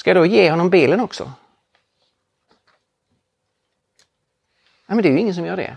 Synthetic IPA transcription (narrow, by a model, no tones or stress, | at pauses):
skajad̪ojeːhɔnːɔmbiːlənɔksɔ̰ | namɛnd̪ɛæːjɵɪŋːənsɔmjœːɖɛ̰